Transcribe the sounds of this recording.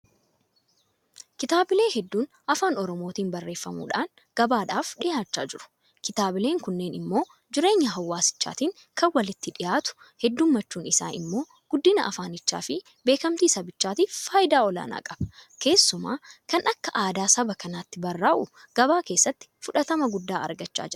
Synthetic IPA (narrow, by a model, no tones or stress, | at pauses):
kɪt̪aːbɪle̞ːhɛd̪ːuːn | ʔɐfaːnɔɾɔmo̞ːt̪iːnbɐrːe̞ːfːɐmṵːᶑaːŋ | ɡ̥ɐbaːᶑaːfᶑɪjaːt͡ʃːa̰ːd͡ʒɪɾʊ̥ | kɪt̪aːbɪle̞ːŋkʊnːe̞ːnɪmːo̞ː | d͡ʒɪɾe̞ːɲːɐɦɐwːaːsɪ̥t͡ʃːa̰ːt̪iːŋ | kʰɐnwɐlɪt̪ːɪᶑɪjaːt̪ʊ̥ | hɛd̪ːuːmːɐt͡ʃːuːnɪsa̰ːnʔɪ̰mːo̞ː | ɡ̥ʊd̪ːɪnɐ̰ʔɐfaːnɪt͡ʃːa̰ːfɪ | be̞ːkɐmt̪iːsɐbɪt͡ʃːaːt̪ifaːjɪd̪aːɔla̰ːna̰ːkʼɐb̥ɐ̥ke̞ːsːʊma̰ːkɐnʔɐkːɐʔaːd̪aːsɐbɐkɐnaːt̪ːɪbɐrːaːʔʊ | ɡ̥ɐbaːke̞ːsːɐt̪ːɪ̥fʊᶑɐt̪ɐmɐɡʊd̪ːaːɐ̰ɾɡɐt͡ʃːa̰ːd͡ʒɪɾʊ